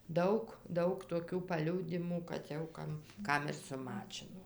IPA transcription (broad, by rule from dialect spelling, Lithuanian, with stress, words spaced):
ˈdɐʊk ˈdɐʊk toːˈkʲuː pɐˈlʲuːdʲɪmuː kɐt jɛʊ ˈkɐm ˈkɐm ɪr sʊˈmɑːt͡ʃʲɪnoː